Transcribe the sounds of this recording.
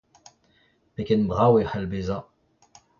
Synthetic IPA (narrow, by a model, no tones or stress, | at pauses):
pekɛnbʁawehalbeza